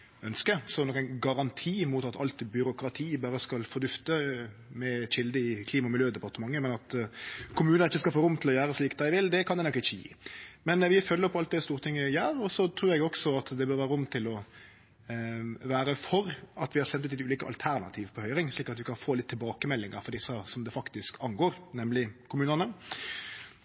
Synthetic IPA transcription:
œnskəsɔnɔkæɪnɡɑɾɑnt̪ʰiːmʊt̪ɑt̪ɑ̰lt̪bʏɾʊkɾɑt̪ʰiːbɑːɾəskɑlfɔd̪ʉft̪əmɛçɪld̪əɪkʰliːmɑmɪljøːd̪ɛpɑʁt̪əmɑŋːəmɛnɑt̪kʰʊmʉːnnɪçːəskɑlfoːɾʊmːt̪ʰɪlɔjæːɾəsliːkd̪æɪʋɪld̪ɛkʰɑnd̪ɛnɔkːɪçːəjḭːmɛnʋɪfœlːəɾpʰːɔɑlt̪̚d̪ɛst̪uːɾt̪ʰɪŋːəjæːɾɔsɔt̪ʰɾʉːɾɛɡɔksɔɑt̪d̪ɛbøːɾʋæːɾəʊmːt̪ʰɪlɔ | ʋæːɾəfɔɾɑt̪ʋɪhɑɾsɛnt̪ʉːt̪ɛt̪ʉːliːkəɑ̰lt̪ʰæɾnɑ̰t̪ʰiːʋpʰɔhœʏɾɪŋsliːkɾɑt̪ʋɪkʰɑnfoːlɪt̪ʰːɪlbɑːkəmɛlːɪŋəɾfɔɾd̪ɪsːəsɔmd̪ɛfɑkt̪ɪskʰɑŋɡoːɾnɛmlɪkʰʊmʉːnənə

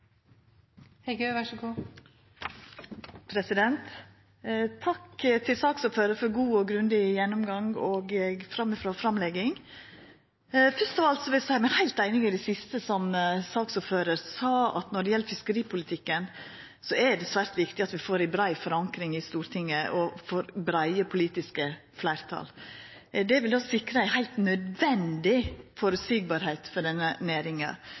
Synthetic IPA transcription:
hɛɪɡøʋæʂəɡuː | pʰɾɛsɪd̪ɛnt̪ | t̪ʰɑkt̪ʰɪlsɑːksuːføːɾəɾfɔɾɡuːɔɡɾʉnd̪ɪjɛnːʊmɡɑŋɔːɡfɾɑmːɪfɾoːfɾɑmlɛɡɪŋ | fœst̪ɔʋɑlt̪sɔʋɪlsæɪmɛhæɪlt̪æɪnɪŋɪd̪æsɪst̪əsɔmsɑːksuːɾføːɾəɾsɑːɑ̰t̪nɔɖɛjɛlːəfɪskəɾiːpʰʊlɪt̪ʰɪkːən | sɔɛɖɛsʋæːɾt̪ʋɪkt̪ɪɑt̪ʋɪfoːɾɪbɾæɪfɔɾɑŋkɾɪŋɪst̪uːɾt̪ʰɪŋːəʔɔfoːɾbɾæɪəpʰʊliːt̪ɪskə | flæɪɾt̪ʰɑ̰l | d̪ɛʋɪld̪ɔsɪkɾəæɪɦæɪlt̪nœd̪ʋɛnd̪ɪfoɾəsyːɡ̚bɑːɾheɪt̪fɔɖɛnːənæːɾɪŋɑ̰

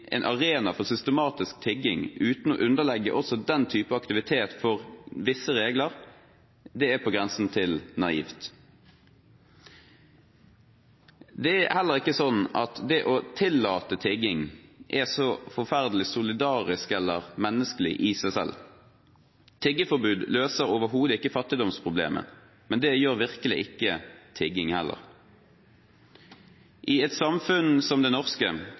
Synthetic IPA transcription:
ʔɛ̰ːnʔɑʁeːnɑfɔʁsʏst̪əmɑːt̪ɪsk̚t̪ʰɪɡɪŋʉːt̪n̩ɔ̰ʔʉnəʁlɛɡːə̰ʔɔsɔd̪ɛnt̪ʰyːpəɑkt̪ɪʋɪt̪ʰeːt̪fɔʁʋɪsəʁeːɡləʁ | d̪ɛæpʰɔːɡʁɛnsn̩t̪ʰɪlnɑḭːft̪ | d̪ɛæhɛlːəʁɪkːəsɔnːɑt̪d̪ɛʔot̪ʰɪlːɑːt̪ət̪ʰɪɡɪŋʔɛsɔfɔʁfæʁd̪lɪsʊlɪd̪ɑːʁɪskɛlːəʁmɛnːəskəlɪ̰ʔɪsæsɛ̰l | t̪ʰɛɡəfɔʁbʉːd̪løːsəʁoʋəɦuːd̪əɪkːəfɑt̪ːɪd̪ɔmspʰʁʊblḛːmʔə̰ | mɛnd̪ɛjøːʁʋɪʁkəlɪʔɪkːət̪ʰɛɡɪŋhɛlʔə̰ʁ | ʔiːɛt̪sɑmfʉnsɔmd̪ɛnɔʁskə

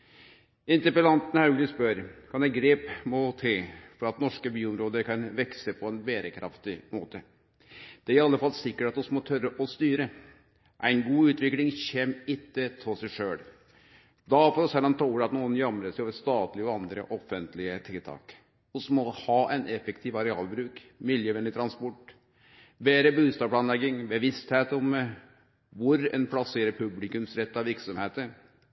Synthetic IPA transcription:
ɪnt̪əpəlɑnt̪nəɑʉɡlɪspœɾkʰɑnd̪æɪɡɾeːpmɔt̪ʰɪfɔɾɑt̪nɔʂkəbyːɔmɾoːd̪əɾkɑnʋɛksəpʰɔɛnbeːɾəkʰɾɑ̰ft̪ɪmoːt̪ə | d̪̥ɛæɾɪɑlːəfɑlːsɪkːəʈɑt̪ʊsmɔt̪ʰœɾəʔɔst̪yːɾə | ʔæɪnɡuːʉːt̪ʋɪklɪŋçɛmɪt̪ːət̪ʰɔsæɪʂøːɭ | d̪ɑfoːɾɔsɛlːɑnt̪ʰɑuːɾəɑt̪nuːənjɑmɾəsæɪoːʋəst̪ɑːt̪lɪɔɑnd̪ɾə̰ʔɔfənt̪lɪət̪ʰɪlt̪ʰɑ̰ːk | ɔsmɔhɑːʔæɪnʔɛfɛkt̪ʰiːʋɑɾɛɑ̰ːlbɾʉːkmɪljəʋɛnd̪ɪt̪ʰɾɑnspɔʈ | beːɾəbʉːst̪ɑːpʰɭɑnlɛɡːɪŋbəʋɪst̪heːt̪ɔm | ʋʊɾɛ̰npʰlɑseːɾəɾpʰʉblɪkʉmsɾɛt̪ːɑʋɪɾksɔmheːt̪əɾ

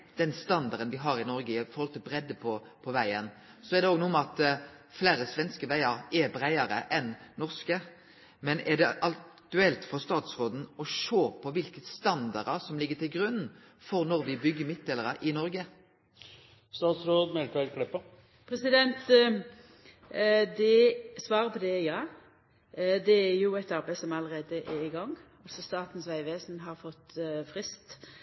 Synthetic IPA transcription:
d̪̥ɛnst̪ɑnd̪ɑʁd̪ənʋɪɦɑɾɪnɔɾɡəɪfɔɾʁhɔlt̪ɪlbɾɛd̪ːəpʰɔ | pʰɔʋæɪən | sɔɛʁd̪ɛoːɡnuːmɑt̪ | flæːɾəsʋɛnskəʋæɪəɾɛbɾæɪəɾəʔɛnnɔʁskə | mɛnɛd̪ɛʔɑt̪ʉɛlt̪fɔʁst̪ɑːt̪sɾoːd̪n̩ɔʂoːpʰɔʋɪlkəst̪ɑnd̪ɑɾəsɔmlɪɡːət̪ʰɪlɡɾʉnn̩ | fɔɾnɔʁʋɪbʏɡːəmɪt̪̚d̪eːləʁəʔɪnɔɾɡə | st̪ɑːt̪sɾoːd̪mɛlkɑkʰlɪpːə | pʰɾɛsɪd̪ɛnt̪ | d̪ɛsʋɑːʁəpʰɔd̪ɛjɑː | d̪ɛɛɾjʊɛt̪ɑɾbæɪsɔmɑləʁeːd̪əʔɛɪɡɑŋː | ɑlsɔst̪ɑːt̪n̩sʋæɪʋeːsn̩ɦɑʁfɔt̪ːfɾɪst̪

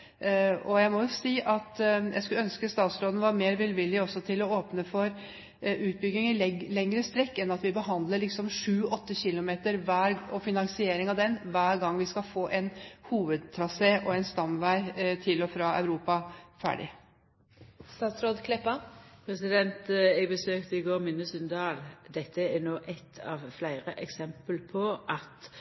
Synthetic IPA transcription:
ɔjæɪmɔjʊsiːʔɑt̪jæ̰skʉlœnskəst̪ɑːt̪sɾoːd̪n̩ʋɑɾmeːɾʋɪlʋɪlːɪɔsɔt̪ʰɪlɔoːpnəfɔɾ | ʉːt̪̚bʏɡːɪŋɪlɛŋːɾəst̪ɾɛkːɛnɑt̪ʋɪbəɦɑnd̪ləɭɪksɔmʂʉːɔt̪ːəçɪlʊmeːt̪əɾʋæːɾɔfɪnɑŋsɪeːɾɪŋɑʋd̪ɛnʋæːɾɡɑŋːʋɪskɑlfoːʔɛnhuːʋəd̪̚t̪ʰɾɑseːʔɔɛnst̪ɑmʋæɪt̪ʰɪlɔfɾɑːɑ̰ʉɾuːpɑfæ̰ːɖɪ̰ | st̪ɑːt̪sɾoːd̪kʰlɛpːɑpʰɾɛsɪd̪ɛnt̪ɛɡbəsøːkt̪əɪɡoːɾmɪnːəsʉnd̪ɑːld̪ɛt̪ːəænoːʔɛt̪ʰɑ̰ːʋflæɪɾəʔɛksɛmpəlpʰɔʔɑt̪

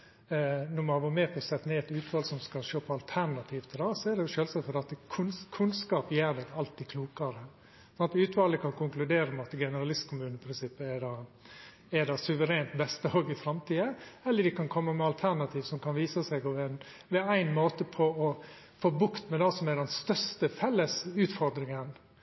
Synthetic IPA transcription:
nɔmɑɡɔːɾmeːpʰɔsɛt̪ːneːɛt̪ʉːt̪ʋɑːlsɔmskɑʃoːpʰɔɑlt̪ʰæɾnɑt̪ʰiːʋt̪ʰɪlɑːsɔɛɖɛʃøːlsɑt̪fəd̪ɛt̪ːəkʰʉnkʰʉnskɑːpjeːɾɖ̪ɛɡɑlt̪̚ɪkʰluːkɑɾə | sɔnt̪ʉːt̪ʋɑːləkʰɑnkʰʊŋklʉd̪eːɾəmɛɑt̪ɡɛnəɾɑlɪst̪kʰʊmʉːnəɪpʰɾɪnsɪpːəɛɖɑː | ɛɖ̪ɑsʉʋəɾeːnt̪bɛst̪əoːɡɪfɾɑmt̪ʰiːəɛlːəɖɪkʰɑnkʰɔmːəmɛɑlt̪ʰæɾɳnɑt̪ʰiːʋsɔmkʰɑnʋiːsəsɛɪɡɔʋɛn | ʋɛæɪnmoːt̪əpʰɔɔ | foːbʉkt̪mɛd̪ɑsɔmɛɖɛnst̪œst̪əfɛlːəsʉːt̪fɔɾd̪ɾɪŋən

